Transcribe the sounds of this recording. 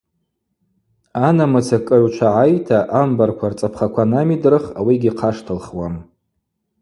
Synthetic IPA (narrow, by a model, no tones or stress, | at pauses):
anamat͡sʰakʼɨʕʷt͡ʃʷʰaʕajtʰaʔambarkʷʰart͡sʼapʰχakʷʰanamidɨrɨχa̰wiɡʲiqʰaʂtʰɨlχwam